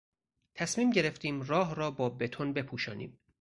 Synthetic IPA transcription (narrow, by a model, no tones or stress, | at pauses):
t̪ʰæsmiːmɟe̞ɾeft̪iːmrɒːɦɾɒːbɒːbe̞t̪ʰonbe̞pʰuːʃɒ̰ːnḭːm